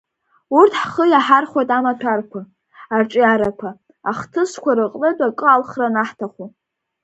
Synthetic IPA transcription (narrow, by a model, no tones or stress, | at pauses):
urtʰħχəjaħarχwajtʼamatʷʰarkʷʰa | arʈ͡ʂʼjaɾakʷʰa | aχtʰɨskʷaɾɨqʼlɨdʷʼakʼɨalχranaħtʰaχʷu